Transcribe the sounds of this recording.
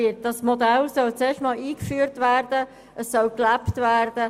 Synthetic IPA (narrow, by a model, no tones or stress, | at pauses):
ɪt̚d̥ɑsmod̪ælsœlt͡seːʃtmɑːliːkfyːəɾtvæːɾd̥ə | əsːœlklæptʋæːɾd̥ə